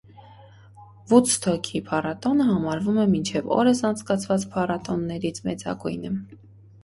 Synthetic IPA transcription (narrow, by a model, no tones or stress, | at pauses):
vut͡sʰt̪ʰɔkʰipʰɑrɑt̪ɔnəɦɑmɑɾvumɛmint͡ʃʰɛvɔ̰ɾəsɑnt͡sʰkɑt͡sʰvɑt͡spʰɑrɑt̪ɔnːɛɾit͡sʰmɛ̰t͡sɑ̰ɡujnə